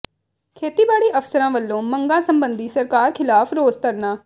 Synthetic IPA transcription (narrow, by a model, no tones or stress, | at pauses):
kʰeːt̪iːbaːɽiːʔəfsəɾãːʋəlːõːməŋɡãːsəmbənd̪iːsəɾkaːɾkʰɪlaːpʰɾoːzt̪əɾnaː